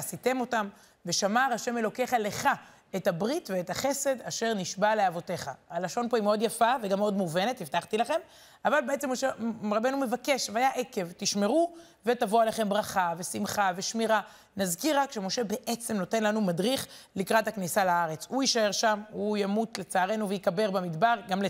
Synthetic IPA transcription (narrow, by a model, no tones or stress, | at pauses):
asit̪e̞mo̞tam | ve̞ʃamaʁaʃe̞me̞lo̞ke̞χale̞χa | etabʁitve̞ːthaχe̞se̞daʃe̞ʁniʃbaleavo̞te̞χa̰alaʃo̞npo̞imeo̞djafaveɡameo̞dmuve̞ne̞t̪iftaχt̪ilaχe̞m | avalbeet͡semːoʃeʁabe̞nume̞vake̞ʃveajaʔe̞ke̞vt̪iʃme̞ʁu | ve̞tavoaleχe̞mbʁaχave̞simχave̞ʃmiʁa | nazkiʁakʃemo̞ʃe̞be̞ʔet͡se̞mno̞te̞nlanumadʁiχlikʁathaknisalaaʁe̞t͡suiʃae̞ʁʃamujamutle̞t͡saːʁe̞nuveikabe̞ʁbamid̪baʁɡamle